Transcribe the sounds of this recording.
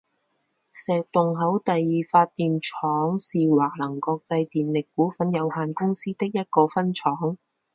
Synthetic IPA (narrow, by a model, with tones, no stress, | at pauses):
sɛː˨k̚t̪ʊ˨˩ŋɦɐ˨˥wt̪ɐ˨jːiː˨faː˧t̚t̪ːiː˨mt͡ʃʰɔː˨˥ŋsiː˨waː˨˩k̚lɐ˨˩ŋkɔː˧k̚t͡sɐ˧jt̪iː˨nlɪ˨kːuː˨˥fɐ˨˥njɐ˨˧whaː˨nkʊ˥ŋsiː˥t̪ɪ˥k̚jɐ˥t̚kɔː˧fɐ˥nt͡ʃʰɔː˨˥ŋ